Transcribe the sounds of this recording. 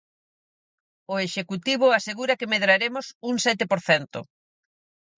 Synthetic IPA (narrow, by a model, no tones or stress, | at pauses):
ʊeʃekut̪iβ̞ʊaseɣuɾɐkemeðɾaɾemʊsuŋsɛt̪̬ɪpoɾθɛnt̪ʊ̰